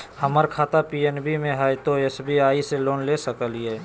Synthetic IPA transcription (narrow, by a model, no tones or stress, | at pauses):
həməɾkʰaːt̪apienbimẽɦɛt̪oesbiaːiseloːnlesəkəlijɛː